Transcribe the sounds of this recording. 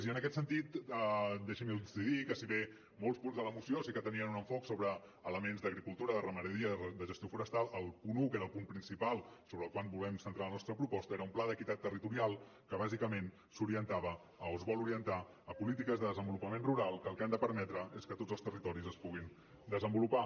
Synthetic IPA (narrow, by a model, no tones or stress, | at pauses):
ziənəkɛt̪sənt̪it̪əd̪ɛʃəmilˠd̪əsiðikəsiβe | molˠspunzðələmusiosikət̪əniənunəɱfɔksoβɾəː | ləmenzd̪əɣɾikulˠt̪uɾəðərəməɾəðiəd̪əʒəst̪iofuɾəst̪alˠəlˠpunukeɾəːlˠpumpɾinsipalˠsoβɾəːlˠkwanbulɛmsənt̪ɾalənɔst̪ɾəpɾupɔst̪əeɾəumplaðəkit̪at̪ːərit̪uɾialˠ | kəβazikəmen | suɾiənt̪aβə | əozβɔluɾiənt̪a | əpulit̪ikəzðəðəzəmbulupəmenruɾalˠkəlˠkɛmnd̪əpəɾmɛt̪ɾəeskət̪odzəlˠst̪ərit̪ɔɾizəspuɣin | d̪əzəmbulupa